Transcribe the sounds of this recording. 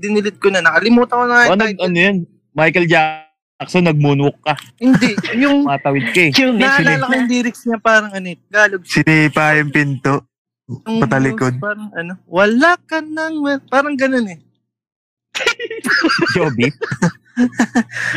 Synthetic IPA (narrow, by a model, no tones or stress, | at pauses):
d̪ɪnɪlɪt̪̚konɐnɐkɐlɪmuːt̪ɐŋkonɐŋajɐnɐɡʔɐnojon | majkɐld͡ʒa | ksonɐɡ̚munʊokːɐhɪnd̪ɛʔjʊŋat̪ɐwɪd̪̚kɐɛnaɪllɐkɐjʊnd̪iːɾɪksɲapaːɾɐŋɐnoɡaːloɡ̚sɪniːpaːjʊŋpɪnt̪oʔ | ŋpɐt̪ɐlɪkod̪̚paːɾɐŋɐno̞wɐlakɐnɐŋɐpaːɾɐŋɡɐnonɛ | d͡ʒoːbi